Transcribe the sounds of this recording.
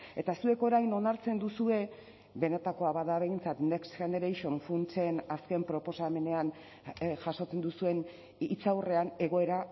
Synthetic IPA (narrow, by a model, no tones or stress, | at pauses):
e̞t̪asue̞ko̞ɾajno̞naɾt͡se̞nd̪usue̞ | be̞ne̞t̪ako̞aβaðaβe̞jnt͡sat̪ne̞ksʝend̪eɾejʃonfunt͡se̞naske̞mpɾo̞po̞same̞ne̞an | ʝaso̞t͡se̞nd̪usue̞n | it͡sawre̞ane̞ɣ̞o̞e̞ɾa